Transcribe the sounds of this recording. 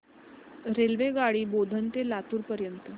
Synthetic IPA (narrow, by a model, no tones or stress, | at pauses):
ɾelʋeɡaɽiːbod̪ʱənt̪elat̪uːɾpəɾjənt̪ə